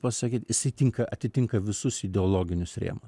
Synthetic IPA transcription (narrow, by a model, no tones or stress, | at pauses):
pɐsɐkʲiːt̪jɪsɐɪt̪ʲɪŋkɐʔɐt̪ʲɪt̪ʲɪŋkɐʋʲɪsʊsɪd̪ʲɛoːlˠoːɡʲɪnʲʊsɾʲḛːmʊs